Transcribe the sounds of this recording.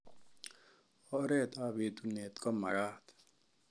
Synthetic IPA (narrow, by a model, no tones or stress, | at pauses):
ɔɾet̪aːbit̪uneːt̪komɐ̰ɽaːt̪